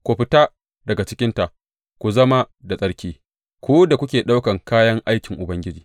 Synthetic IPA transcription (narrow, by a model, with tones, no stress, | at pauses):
kʷu˨ɸɪ˦taː˦ | dɐ˨ɡa˨t͡ʃɪ˦kʲɪ˦nta˨ʔ | kʷu˨zɐ˦ma˦ | da˨sʼɐ˦ɽkʲiː˦ | kʷoː˦da˨kʷʊ˦kʲeː˨ɗa˦wkɐ˨ŋkaː˦jɐ˦ŋʔa˦jkʲɪ˨ŋʔʊ˨bɐ˦ŋɡʲɪ˦d͡ʒiː˨